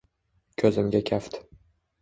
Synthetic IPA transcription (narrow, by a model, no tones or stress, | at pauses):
kʲʰɵzɪmɡʲakʲʰaft̪